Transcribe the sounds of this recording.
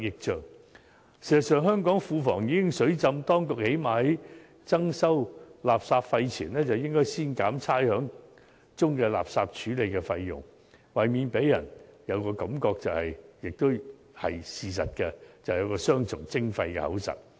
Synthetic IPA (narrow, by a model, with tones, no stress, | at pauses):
jɪ˨k̚t͡ʃœː˨˩ŋ | siː˨˩ztsœː˨˧ŋɦœː˥ŋkɔː˨˥ŋfuː˧fɔ̰ː˨˩ŋjiː˨˧˥kɪ˥ŋsɵ˨˥ɥt͡sɐ˧mt̪ɔː˥ŋkʊ˨k̚he˨˥jmaː˨hɐ˨˥j | t͡sɐ˥ŋsɐ˥wlaː˨p̚saː˧p̚fɐ˧jt͡sʰiː˨˩nlɛː˥t͡sɐ˨wjɪ˥ŋkɔː˥jsiː˥nkaː˨˥mt͡sʰaː˥jhœː˨˥ŋ | t͡sʊ˥ŋkɛː˧la̰ː˨˩p̚saː˧p̚t͡ʃʰyː˨˥le˨˧jkɛ˧fɐ˧jːʊ̰˨˩ŋ | wɐ˨˩jmiː˨˧npe˨˥jːɐ̰˨˩njɐ˨˧wkɔː˧kɐ˨˥mkɔː˧k̚t͡sɐ˨whɐ˨jjɪ˨k̚t̪ʊ˥w | hɐ̰˨jsiː˨s̬ɐ̰˨t̚kɛ˧t͡sɐ˨˩hjɐ˨˧wkɔː˧sœː˥ŋt͡sʰʊ˨˩ŋt͡sɪ˥ŋfɐ˧jkɛ̰˧hɐ̰˨˥wsɐ̰˨t̚